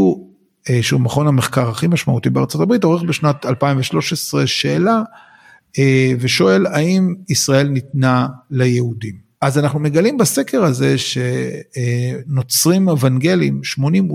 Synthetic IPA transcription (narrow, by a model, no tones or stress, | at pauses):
u | ʃeumaχonameχkaʁaχimaʃmaut̪ibeaʁt͡so̞tabʁito̞ʁeχbeʃnat̪alpaĩɱveʃlo̞ʃesʁe̞ʃeːla | eveʃo̞e̞laimisʁae̞lnit̪nalejeudim | ʔazanaχnume̞ɡalimbase̞keʁaze̞ʃe̞ | no̞t͡sʁimevanɡe̞limʃmo̞nim